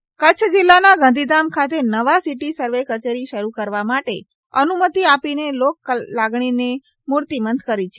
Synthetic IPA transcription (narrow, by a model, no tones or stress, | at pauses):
kət͡ʃʰəd͡ʒɪlːanaɡãnd̪ʱid̪amkʰat̪enəʋasiʈisəɾʋekət͡ʃeɾiʃəɾukəɾʋamaʈe | ənumət̪iapinelokːlaɡɳ̃ine | muɾt̪imənd̪kəɾit͡ʃʰe